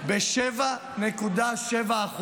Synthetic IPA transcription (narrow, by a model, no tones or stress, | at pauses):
beʃɛva | nekud̪aʃevaːχ